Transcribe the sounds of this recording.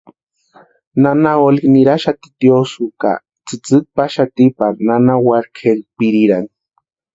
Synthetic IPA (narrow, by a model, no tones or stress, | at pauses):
nanaolikniɾaʃat̪i̥t̪josuka̰ | t͡sɨt͡sɨk̚paʃat̪ipananawaɾkʰeɾpiɾiɾaŋ